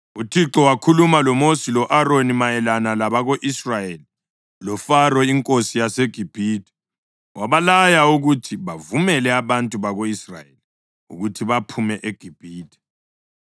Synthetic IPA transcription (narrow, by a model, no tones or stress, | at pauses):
utʰiǁɔwakʰulumalɔmosilɔʔaronimajɛlanalaβaɣoʔisrajeli | lɔfarɔiŋkʼosijaseɡ̥ʱib̥ʱiːtʼi̥ | wʔaβalajauɣutʰiβavumɛlɛaβantʼuβaɣoisra̰jeli | ṵɣutʰiβapʰumɛʔeɡ̥ʱib̥ʱiːtʰʼi̥